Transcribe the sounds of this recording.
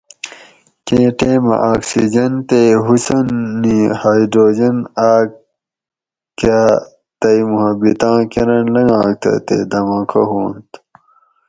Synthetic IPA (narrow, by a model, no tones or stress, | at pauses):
kẽːʈeːmɐ̰̃ʔaːksḭd͡ʑɐnt̪eɦusɐnːihaːidɾoːd͡ʑɐnaːk | kaː | t̪ɐjmuhɐbit̪ãːkeɾɐnlɐŋã̰ːk̚t̪ʰɐ̰t̪ḛd̪ɐmãːkʰɐ̰ɦoːnt̪